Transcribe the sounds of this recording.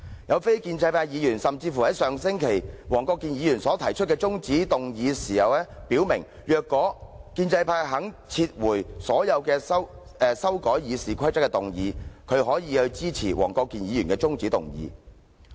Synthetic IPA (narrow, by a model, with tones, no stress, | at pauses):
jɐ˨˧wfe˥jkiː˧nt͡sɐ˧jpʰaː˧jiː˨˧jyː˨˩nsɐ˨mt͡siː˧fu˨˩hɐ˨˥jsœː˨ŋsɪ˥ŋkʰe˨˩jwɔː˨˩ŋkɔː˧kːiː˨˧njiː˨˧jyː˨˩nsɔː˨˥t̪ʰɐ˨˩jt͡ʃʰɵ˥t̚kɛː˧t͡sʊ˥ŋt͡siː˨˥t̪ʊ˨ŋjiː˨˧siː˨˩hɐ˨wlɛː˥piː˨˥wmɪ˨˩ŋ | jœː˨kːɔː˨˥kiː˧nt͡sɐ˧jpʰaː˧ɦɐ˨˥ŋt͡sʰiː˧t̚wuː˨˩jsɔː˨˥jɐ˨˧wkɛː˧sɐ˥wɛː˨sɐ˥wkɔː˨˥jjiː˨˧siː˨kʰɐ˥jt͡sɐ˥kːɛ˧t̪ʊ˨ŋjiː˨˧kʰɵ˨˧ɥɦɔː˨˥jiː˨˧hɵ˧ɥt͡siː˥t͡sʰiː˨˩wʔɔ̰ː˨˩ŋkɔː˧kːiː˨˧njiː˨˧jyː˨˩nkɛː˧t͡sʊ˥ŋt͡siː˨˥t̪ʊ̰˨ŋjḭː˨˧